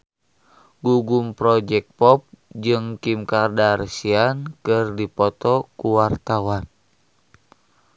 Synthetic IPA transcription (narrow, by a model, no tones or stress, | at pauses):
ɡuɡumpɾɔd͡ʒɛk̚pɔp̚d͡ʒɨŋkimkardaɾsiankɨrdipɔt̪ɔkuwart̪awan